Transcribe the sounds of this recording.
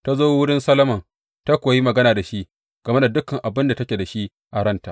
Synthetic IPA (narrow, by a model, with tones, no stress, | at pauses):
ta˦zoː˦wʊ˦ɽɪ˦nsɐ˦lɐ˦mɐ˨ŋ | ta˦kʷoː˨ji˦mɐ˨ɡɐ˦naː˨da˨ʃi˦ʔ | ɡ̥ɐ˨me˦da˨dʊ˦kɐ˨ŋʔa˨bɪ˦nda˨tɐ˦kʲeː˨da˨ʃi˦ʔ | ʔa˨ɽɐ˦nta˨